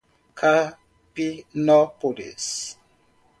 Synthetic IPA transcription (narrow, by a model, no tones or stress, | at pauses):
kʰa | pinɔpolḭs